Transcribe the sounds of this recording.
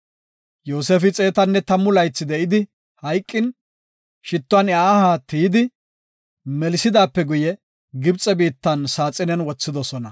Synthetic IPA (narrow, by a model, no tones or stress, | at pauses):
joːseːfɪt͡sʼe̞ːt̪ɐnːɛt̪ɐmːʊlɐjt͡sːɪd̪ɛʔɪd̪ɪ | hɐjkʼːɪn | ʃɪt̪ːʊɐnaːhat̪ijɪd̪ɪ | mɛlsɪd̪aːpːɛɡʊjɛ | ɡɪbt͡sʼːɛbiːt̪ːɐnsaːt͡sʼːɪnɛnwɔt͡sːɪd̪ɔsɔnɐ